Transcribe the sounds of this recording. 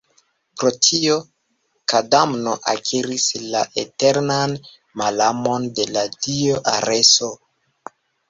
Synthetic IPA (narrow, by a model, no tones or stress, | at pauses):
pɾo̞tʰio̞ | kadamno̞ʔa̰kʰiɾislaʔete̞ɾnan | malamo̞nde̞ladioʔa̰ɾe̞so